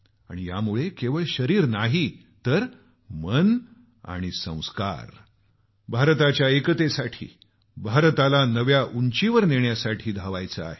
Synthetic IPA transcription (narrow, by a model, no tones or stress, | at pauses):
a̰ɽ̃ija̰muɭekeʋəɭɕəɾiːɾnaɦi | t̪əɾ | mən | a̰ɽ̃isə̰̃w̃ska̰ɾ | bʱaɾt̪at͡ɕjaekət̪esaʈʰḭː | bʱaɾt̪alanəʋjaʔuɲt͡ɕiʋəɾneɳjasaʈʰiːd̪ʱaʋajt͡səa̰ɦe